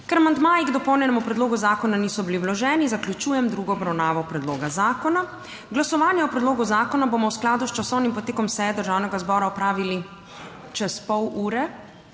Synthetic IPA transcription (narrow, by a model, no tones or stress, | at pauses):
kɛɾmand̪maːjiɡd̪ɔpɔwnjɛnɛmupɾɛd̪loːɡuzaːkɔnaniːsɔbiliwlɔʒɛːnizaklʲut͡ʃuːjɛmd̪ɾuːɡɔːbɾawnaːʋɔpɾɛd̪loːɡazaːkɔna | ɡlasɔʋaːnjɛɔpɾɛd̪loːɡuzaːkɔnabomɔwsklaːd̪ust͡ʃasɔwnimpɔt̪eːkɔmsɛjɛd̪əɾʒaːwnɛɡazbɔːɾaɔpɾaːʋili | t͡ʃɛspɔwuːɾɛ